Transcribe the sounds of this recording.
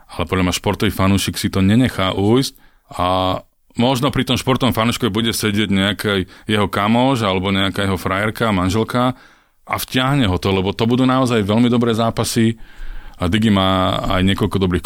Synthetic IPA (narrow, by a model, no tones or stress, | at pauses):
alɛpɔd̪ʎamɲaʃpɔɾt̪ɔʋiːfanuʃiːksit̪ɔɲɛɲɛxaːʔuːjsc | a | mɔʒnɔpɾit̪ɔmʃpɔɾt̪ɔʋɔmfanuːʃkɔʋɛbuɟɛsɛɟɪɛɟɲɛakajjɛɦɔkamɔʒalɛbɔɲɛakaːjɛɦɔfɾajɛɾkamanʒɛlka | ʔa̰fcɪaɦɲɛɦɔt̪ɔlɛbɔt̪ɔbud̪uːnaɔzajʋɛlmid̪ɔbɾɛːzaːpasi | ad̪iɡimaːa̰jɲɪɛkɔlkɔd̪ɔbɾiːxk